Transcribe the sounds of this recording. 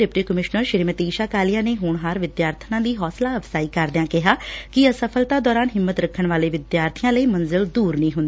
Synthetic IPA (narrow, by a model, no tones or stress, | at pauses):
ɛpʈiːkəmɪʃnəɾʃɪɾimət̪iːʃaːkaːlijãːneːɦʊɳɦaɾʋɪd̪jaːɾt̪ʰənãːd̪iːɦɔːslaːəfsaːiːkəɾd̪ɪãːkɪɦaːkɪəsəpʰəlt̪aːd̪ɔːɾaːnɦɪmːət̪ɾəkʰːəɳʋaːleːʋɪd̪jaːɾt̪ʰijãːləiːmənzɪld̪uːɾnĩːɦʊnd̪iː